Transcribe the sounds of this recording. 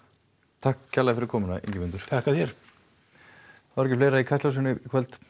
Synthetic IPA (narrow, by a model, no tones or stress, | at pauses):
t̪ʰahkcʰːalaɣfɪɾɪɾkʰɔːmʏnaḛɲcɪmʏnt̪ʏɾ̥ʰakʰað̥çɛɾ̥ | vaɾɛcɪ̥fleːjɾaikʰajst̪awsɪnʏkʰvɛlt̪